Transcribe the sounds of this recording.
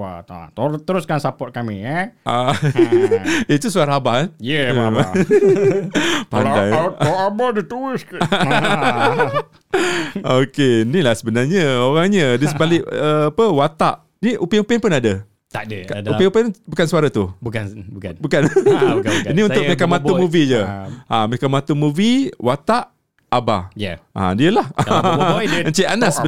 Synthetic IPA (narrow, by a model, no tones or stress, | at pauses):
wa̰t̪t̪ət̪əɾʊskansapɔt̪̚kamiəʔa | it̪usuaɾaabahanjə | padanaoamadit̪uɪsk | okenilahsəbənarɲəoɾaŋɲədisəbalɪʔəːpəwat̪aʔ | niʔupeupenpʊnadə | t̪adkaupeŋupenbukansuaɾat̪ubukbukbukan | iniunt̪ʊʔmekamãt̪umũvid͡ʒəãmekamãt̪umuviwat̪aʔ | aba̰jʔã̰diəlah | əɲt͡ʃiʔanas